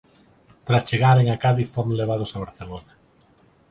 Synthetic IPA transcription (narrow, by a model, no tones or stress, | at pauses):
t̪ɾast͡ʃeɣaɾeŋakaðifoɾmleβ̞aðʊsaβ̞aɾθelona